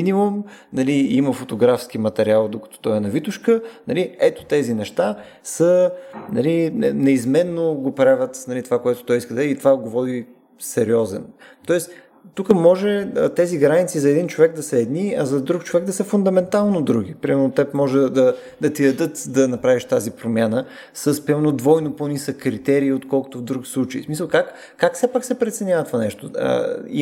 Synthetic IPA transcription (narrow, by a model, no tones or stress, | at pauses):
minimumnɐliiməfot̪oɡɾafsk̟imɐt̪ɛɾialˠd̪okə̥t̪o̥t̪ɔɛnɐvit̪uʃkənɐliɛt̪o̥t̪ɛzinɛʃt̪a | sənɐlinɛizmɛnːoɡopɾavət̪nɐlit̪ovakoɛt̪o̥t̪ɔjiskəd̪ɐɛɛit̪ovaɡovɔd̪i | sɛɾiɔzɛ̰nt̪ɔɛs | t̪ukəmɔʒɛət̪ɛziɡɾanit̪sizɐɛd̪int͡ʃovɛɡ̚d̪ɐsɐɛd̪niɐzɐd̪ɾukt͡ʃovɛɡ̚d̪ɐsəfʊnd̪ɐmɛnt̪alˠnod̪ɾuɡ̟ipɾimɛɾnot̪ɛpmɔʒɛd̪ɐ | d̪ɐt̪id̪ɐd̪ɤt̪d̪ɐnɐpɾaviʃt̪azipɾomʲjanə | səspɾimɛɾnod̪vɔjnoponisəkːɾit̪ɛɾiːot̪kɔlˠko̥t̪ovd̪ɾuɡslˠut͡ʃəḭsmisəlˠkak | kːaksɛpaksɛpɾɛt̪sɛnʲjavət̪ovanɛʃt̪oə̰ḭ